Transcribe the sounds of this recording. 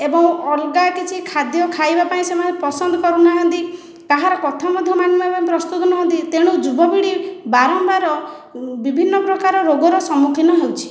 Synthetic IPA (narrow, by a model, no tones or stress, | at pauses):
ebɔŋɔlɡakit͡ʃʰikʰad̪jɔkʰajbapaĩsemanepɔsɔnd̪ɔkɔɾunaɦɔ̃nt̪i | k̪aɦaɾɔkɔt̪ʰamɔd̪ʱjɔmanimapaĩpɾɔst̪ut̪ɔnɔɦɔnt̪it̪eɽ̃ud͡ʒubɔbiɽibaɾɔmbaɾɔ | bibʱinːɔpɾɔkaɾɔɾoɡɔɾɔsɔmukʰinɔɦewt͡ʃʰi̥